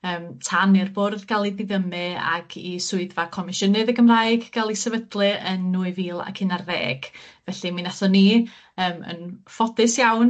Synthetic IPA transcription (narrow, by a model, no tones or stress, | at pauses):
əːmtʰanirboːdðɡalˠiðɪðəmɨa̰ɡ̥isʊɨðvakʰɔmɪʃənɨðəɡəmrajɡɡ̥alˠisɛvədlˠɨənːuːɨviːlˠa̰kʰɪnarḛːɡ̥vɛɬɨminaθɔniː | əːmə̰nfɔdɨsjawn